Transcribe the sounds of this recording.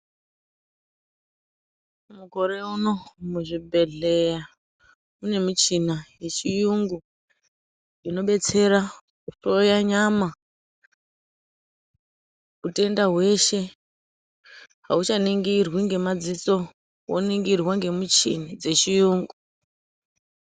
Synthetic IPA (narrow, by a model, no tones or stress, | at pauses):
muko̞ɾeuno̞muʐibʱe̞ɮe̞ja | une̞mut͡ʃinajet͡ʃijuŋɡu | ino̞ɓe̞t͡se̞ɾa | uto̞jaɲama | ute̞ndaɦwe̞ʃe̞ | ɦaut͡ʃaniŋɡirwiŋɡe̞mad͡zit͡so̞ | woniŋɡirwaŋɡe̞mut͡ʃḭnid͡ze̞t͡ʃijuːŋɡu